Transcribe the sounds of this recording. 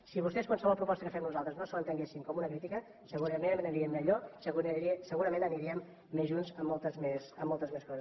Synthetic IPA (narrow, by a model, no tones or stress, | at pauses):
siβust̪ɛskwalsəβɔlˠpɾupɔst̪əkəfɛmnuzalˠt̪ɾəznosəənt̪əŋɡesimkɔmunəkɾit̪ikə | səɣuɾəmenmənəɾiəmːəʎosəɣunisəɣuɾəmẽnəniɾiəmː | ezʒunzəmːɔlˠt̪əzmesəmːɔlˠt̪əzmeskɔzəs